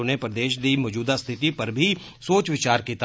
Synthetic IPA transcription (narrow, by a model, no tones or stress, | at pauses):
nepɾəd̪eːʃd̪iːmɔːd͡ʒuːd̪ast̪ʰɪt̪ipəɾbʱiː | soːt͡ʃʋɪt͡ʃaːɾkiːt̪